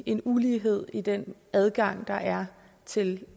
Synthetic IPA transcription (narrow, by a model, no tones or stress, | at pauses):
e̝nuliːɦe̝ð̞̰ˠid̥enæð̞ˠɡ̥ɑ̈ŋ̰d̥ɑ̈ʔæɐ | t͡sʰe̝l